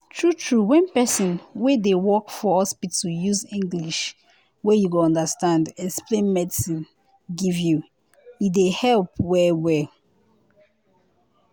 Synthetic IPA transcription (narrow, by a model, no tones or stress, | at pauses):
tʰɹutʰɹuwɛ̃npɛsɔ̃nwedewɔkfɔɔspitujuzĩŋɡliʃ | wɛjuɡoɔ̃ndastãndɛksplẽnmɛdisĩn | ɡivju | idehɛlpwɛwɛl